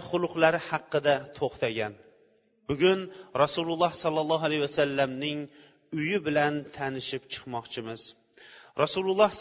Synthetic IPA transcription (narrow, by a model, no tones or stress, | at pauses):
χʊlˠʊqlˠaɾɪhɑqːɨd̪at̪ʰoχt̪aɡʲan | bʊɡʲʊnɾɑsululˠːɑhsɑlˠːɑlˠːɑɦalahwasalːamnɪŋ | ʊjɪbɪlant̪ʰanɪʃɪpt͡ʃʰɨ̥qmɑqt͡ʃʰɪmɪz | ɾʔɑsulˠulˠːɑh